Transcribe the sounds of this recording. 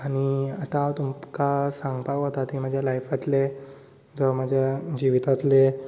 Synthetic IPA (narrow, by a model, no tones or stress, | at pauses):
aɽ̃iat̪at̪umkasãŋɡpaʋɦot̪at̪imad͡ʑʱjalajfat̪le | d͡zɔmad͡ʑʱjad͡ʑiʋit̪at̪le